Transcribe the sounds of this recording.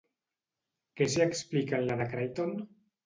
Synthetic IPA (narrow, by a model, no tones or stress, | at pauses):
keseɛksplikanlaðakɾajt̪on